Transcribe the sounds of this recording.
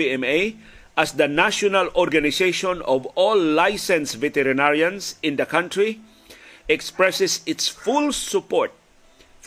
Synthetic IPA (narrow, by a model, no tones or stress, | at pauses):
iɛ̃me | ʔasd̪ɐnaʃɔnalɔɾɡanɪsejʃɔ̃nɔvɔlːajsɛ̃nsvɛt̪ɛɾɪnaɹjãnsɪ̃nd̪ɐkãnt̪ɹi | ʔɛkspɹɛsɛsɪt̪sfulssʊpɔɹt̪̚ | f